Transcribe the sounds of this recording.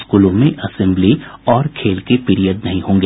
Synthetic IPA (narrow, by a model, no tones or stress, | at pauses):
skuːlõmẽʔɐsɛ̃mbliɔːɾkʰeːlkepɪɾijəd̪nɐɦĩɦõːŋɡe